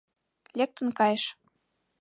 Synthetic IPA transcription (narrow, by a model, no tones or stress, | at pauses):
lʲek̚t̪ə̆nkɑjəʃ